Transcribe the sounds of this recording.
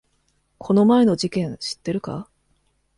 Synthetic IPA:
kʰo̞no̞mae̞no̞ʑikẽ̞ɰ̃ɕi̥t̪ːe̞ɾɯ̟ka̰

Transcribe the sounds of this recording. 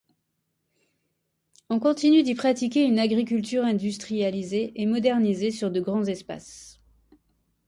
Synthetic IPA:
ɔ̃kɔ̃t̪inyd̪ipχat̪ikʲeynaɡʁikʲylt̪yʁɛ̃d̪yst̪χijalizeʔemɔd̪ɛʁnizesyʁd̪əɡʁɑ̃zɛspa̰s

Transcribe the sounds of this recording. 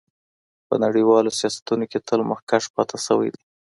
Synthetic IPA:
pə̰naɽiwɑlosjɑsḁt̪unoket̪ʰəlməxkaʃpɑt̪ʰasəwa̰jd̪i

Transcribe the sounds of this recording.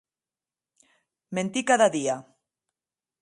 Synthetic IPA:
mẽnt̪ikaðaðia

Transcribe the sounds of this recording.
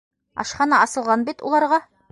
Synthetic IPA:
ɒ̰ʃχɑnɑɒsɤ̆lˠʁɑnbit̪ṵlˠɑɾʁɑ

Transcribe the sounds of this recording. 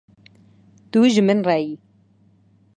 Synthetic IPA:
t̪uʒɨmɨnrɛji

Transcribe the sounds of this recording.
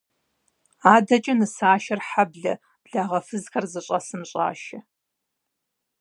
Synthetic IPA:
aːdɐt͡ʃʼɐnɨsaːʃɐrħabɮɐ̰ | b̥ɮaːʁɐfɨzxɐrzɨɕʼɐsɨmɕʼa̰ːʃɐ

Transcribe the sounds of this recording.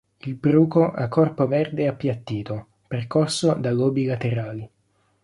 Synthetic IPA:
ilbɾuːkoʔakʰːɔrpovɛrd̪eapːjat̪ːiːt̪o | perkɔrsod̪aɡoːbilat̪eɾaːli

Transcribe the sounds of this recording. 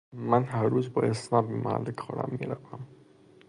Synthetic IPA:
manɦaɾːuzbɔɪsmabima̰lɪkχɔɽa̰mːeɾavam

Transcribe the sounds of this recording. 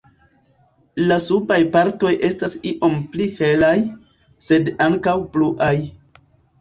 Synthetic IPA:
lasupajpaɾto̞jʔe̞stasiʔo̞mplihe̞laj | se̞daŋkawpluʔaj

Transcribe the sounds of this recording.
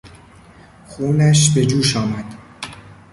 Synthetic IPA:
xuːnæʃbe̞d͡ʒuːʃɒːmæd̪̥

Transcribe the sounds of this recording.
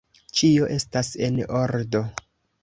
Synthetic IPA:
t͡ʃio̞ʔe̞stase̞noɾdo̞

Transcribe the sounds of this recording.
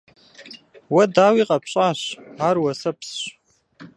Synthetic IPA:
wadawiqʼapʰɕʷʼaʃʷarwasapʰsʃʷ

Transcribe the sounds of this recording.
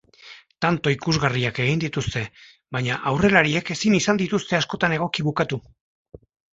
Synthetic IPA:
t̪ant̪o̞ikuzɣariake̞ɣ̞ind̪it̪ust̪e̞ | βajɲaʔawre̞laɾie̞ke̞sinisand̪it̪ust̪e̞asko̞t̪ane̞ɣ̞o̞kiβukat̪u

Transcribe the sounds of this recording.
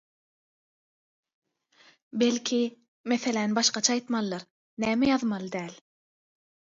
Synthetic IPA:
belʲkʰʲi | meθe̞lænbɑʃqɑt͡ʃʰɑɑːjt̪mɑlˠːɑɾ | næːmejɑðmɑlˠɯd̪æːlʲ

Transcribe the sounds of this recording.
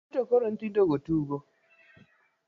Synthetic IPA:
tɔkɔɾɔntidɔɡɔtuːɡɔ

